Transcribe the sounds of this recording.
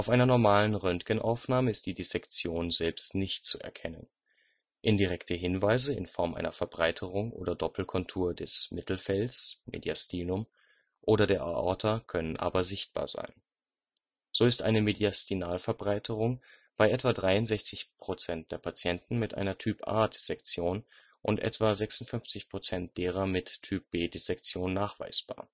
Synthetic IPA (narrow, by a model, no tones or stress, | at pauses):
ʔaʊfʔaɪnɐnɔɐmaːlənʁœntɡ̥ənʔa̰ʊfnaːməɪst̚d̥iːdisɛkt͡sjoːnzɛlpstnɪçt̚t͡suɛ̰ɐkʰɛnən | ʔɪndiʁɛktʰəɦɪnvaɪzəɪ̰nfɔɐmʔa̰ɪnɐfɛɐbʁaɪtʰəʁʊŋʔo̰ːdɐdɔpl̩kʰɔntʰuːɐdɛsmɪtl̩fɛlsmʔḛːdjastiːnʊm | ʔoːɾɐdeːɐʔa̰ʔɔ̰ɐtʰakʰœnənʔa̰ːbɐzɪçt̚b̥a̰ːɐza̰ɪn | z̥oːɪstʔaɪnəmediastinaːlfɛɐbʁaɪtʰəʁ̞ʊŋ | b̥aɪʔɛtv̥aːdʁaɪʊntz̥ɛçt͡sɪçpʁ̥ot͡sɛnt̚d̥eːɐpʰat͡sjɛntn̩mɪtʔa̰ɪnɐtʰyːpʔa̰ːdɪz̥ɛkt͡sjoːn | ʔʊntʔɛ̰tv̥aːzɛksʊntfʏnft͡sɪçpʁ̥ot͡sɛnt̚d̥eːʁ̞ɐmɪtʰːyːp̚b̥eːdezɛk̚t͡sjoːnːaːχv̥a̰ɪsb̥a̰ːɐ